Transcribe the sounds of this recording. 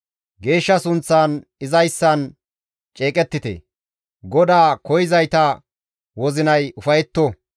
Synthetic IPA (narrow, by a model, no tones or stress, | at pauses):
ɡe̞ːʃːɐsʊnt͡sːaːnɪzɐjsːɐn | t͡ʃʼeːkʼɛt̪ːɪt̪ḛ | ɡɔd̪aːkɔjɪzɐjt̪ɐ | wɔzɪnɐjʊfɐjɛt̪ːɔ